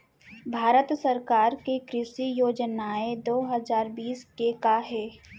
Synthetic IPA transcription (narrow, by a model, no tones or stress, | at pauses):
bʱaːɾət̪səɾkaːɾkekɾɪʃijoːd͡ʒnaed̪oːɦəzaːɾbiːskekaɦɛː